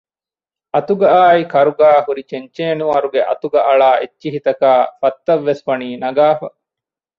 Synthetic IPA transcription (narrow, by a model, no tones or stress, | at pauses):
ʔɐt̪uɡɐaːikɐɾuɡaːhuɾit͡ʃeɲt͡ʃeːnuɐɾuɡeʔɐ̰t̪uɡɐʔɐɭaːʔetːʃiɦit̪ɐkaːfɐt̪ːɐʋːesfɐniːnɐɡaːfɐ